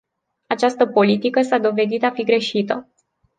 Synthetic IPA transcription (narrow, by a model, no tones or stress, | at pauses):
at͡ʃast̪əpo̞lit̪ikəsad̪o̞ve̞d̪it̪afiɡɾe̞ʃit̪ə